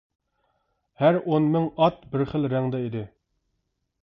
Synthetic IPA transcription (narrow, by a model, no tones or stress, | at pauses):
hæɾonmɪŋɑt̪bɪɾχəlˠɾɛŋd̪ɛid̪ɪ